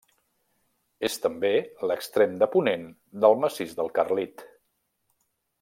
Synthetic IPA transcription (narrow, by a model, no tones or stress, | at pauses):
est̪əmbeləkst̪ɾemd̪əpunen | d̪əlˠməsizd̪əlˠkərlit̪